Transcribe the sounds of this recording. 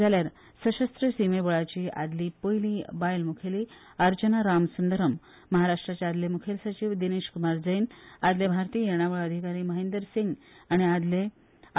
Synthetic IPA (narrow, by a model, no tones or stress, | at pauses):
d͡zaljaɾ | səɕəst̪ɾəsimebəɭat͡ɕiːa̰d̪liːpojlibajlmukʰeliː | əɾt͡ɕənaɾamsənd̪əɾəmː | əɦaɾaʂʈɾat͡ɕead̪lemukʰelsət͡ɕiːʋd̪ineɕkumaɾd͡zəjnad̪lebʱaɾt̪ijjeɽ̃aʋəɭəd̪ʱikaɾiːməɦẽnd̪əɾsiŋɡaɽ̃iad̪le